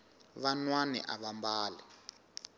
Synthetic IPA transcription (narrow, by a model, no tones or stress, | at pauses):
βanwanɛ̰ʔa̰βambaːlɛ